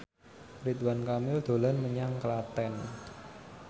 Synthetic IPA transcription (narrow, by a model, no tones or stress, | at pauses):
ɾit̪wankamɪld̪̥o̤lɔnməɲaŋklat̪ɛn